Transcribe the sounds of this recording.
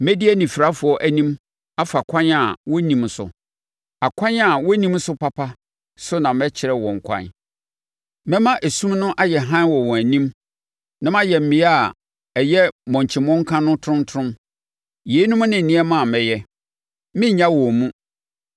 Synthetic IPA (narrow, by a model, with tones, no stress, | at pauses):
mɛ˦di˦æ˦nĩ˨fi˨ɾa˦fʊ˨˦ɔ˦ʔæ˦nĩ˦m | a˦fa˨kʷʰã˦na˨wɔ˦nĩ˨msʊ̰˨ | a˨kʷʰã˦na˨wɔ˦nĩ˦msʊ˦pa˦pʰa˦ | sʊ˦nã˨mɛ˦t͡ɕʰɪ˨ɾɛ˦wɔ̃˨ŋ̩˨kʷʰã̰˦˨n | mɛ̃˦mã˦ʔæ˨sũ˦mnʊ̃˦ʔa˦jɛ˨ɦã˦nwɔ˨wɔ̃˨æ˨nĩ˦m | nã˦mã˦jɛ˨m̩˨mĩ˨˦a˦˨ | ɛ˨jɛ˦mɔ̃˨ɲ˨t͡ɕʰɪ˨mɔ̃˦ŋ˦kʰã˦nʊ̃˦tʰɾʊ̃˦ntʰʊ̃˦m | je˨˦nʊ̃˦m̃˦nɪ̃˨n̩˨nĩ˦ɛ˦mã˦˨mɛ˨jɛ˦ | mɪ̃˦ɲã˦wɔ̃˨mũ˦